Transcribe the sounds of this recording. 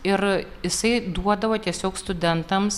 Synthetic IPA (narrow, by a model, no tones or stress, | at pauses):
ɪɾjɪsɐɪd̪uɔd̪ɐʋɐt̪ʲiɛsʲoːkst̪ʊd̪ʲɛnt̪ɐms